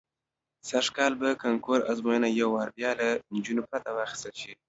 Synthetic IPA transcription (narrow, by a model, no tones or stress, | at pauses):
saʂkɑlbakaŋkoɾa̰zmojənajawːɑɾbjɑland͡ʒunopat̪awɑxi̥st̪əlʃi